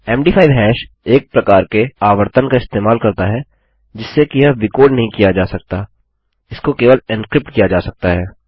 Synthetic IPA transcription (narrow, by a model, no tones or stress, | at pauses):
ɛːmɖiːpʰaːiʋɦɛːʃ | eːk̚pɾɐkaːɾkeaːʋəɾt̪ənkaɪst̪eːmaːlkɐɾt̪aɦɛː | d͡ʒɪsːekiɦɐʋɪkoːɖnɐɦĩkijad͡ʒaːsɐk̚t̪aː | ɪskokeːʋəlɪnskɾɪp̚ʈkijad͡ʒaːsɐk̚t̪aɦɛː